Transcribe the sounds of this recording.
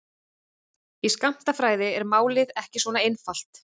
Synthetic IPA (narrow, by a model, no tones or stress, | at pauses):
iskam̥t̪afɾaːjðɪɛɾmaːwlɪðɛhcɪsvɔːnaejnfal̥t̪